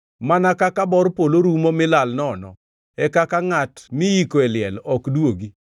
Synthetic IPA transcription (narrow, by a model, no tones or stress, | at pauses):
manakakabɔɾpoloɾumɔmɪlalnɔnɔ̰ | ɛkakaŋatmɪjikoɛlɪɛlɔkdwoɡi